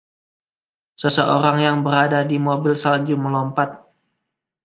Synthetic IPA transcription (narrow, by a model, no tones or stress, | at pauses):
səsəʔoɾaŋjaŋbəɾadadimobɪlsald͡ʒuməlɔmpat̪̚